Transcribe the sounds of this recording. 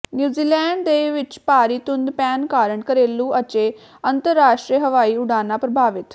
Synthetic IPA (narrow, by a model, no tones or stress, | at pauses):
njuːziːlɛːɳɖd̪eːʋɪt͡ʃpaːɾiːt̪ʊnd̪pɛːnkaːɾəɳkəɾeːlũːʔət͡ʃeː | ənt̪əɾːaːʃʈɾiɦəʋaːiːʊɽaːnaːpɾəbʱaːʋɪt̪